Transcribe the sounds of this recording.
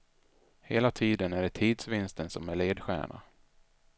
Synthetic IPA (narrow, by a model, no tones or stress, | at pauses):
heːlat̪ʰiːd̪ənæɖɛt̪ʰiːd̪svɪnst̪ənsɔmæɭeːd̪ɧæ̰ːɳa̰